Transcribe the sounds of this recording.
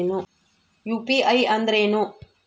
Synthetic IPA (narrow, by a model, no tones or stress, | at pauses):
nu | juːpiɐjɐnd̪ɾeːnu